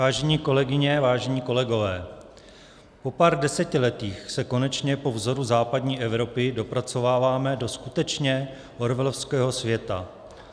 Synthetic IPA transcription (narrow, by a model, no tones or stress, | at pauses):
aːʒɛɲiːko̞lɛɡɪɲɛvaːʒɛɲiːko̞lɛɡo̞vɛː | po̞paːɾdɛsɛcɪlɛt̪iːxsɛko̞nɛt͡ʃɲɛpo̞vzo̞ɾuzaːpadɲiːʔɛvɾo̞pɪdo̞pɾat͡so̞vaːvaːmɛdo̞skut̪ɛt͡ʃɲɛ | oɾvɛlofskɛːɦo̞svjɛt̪a